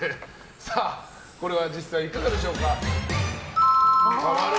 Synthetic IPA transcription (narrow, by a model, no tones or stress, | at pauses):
saː | ko̞ɾe̞β̞ad͡ʑisaiːkaɡad̪e̞ɕo̞ːka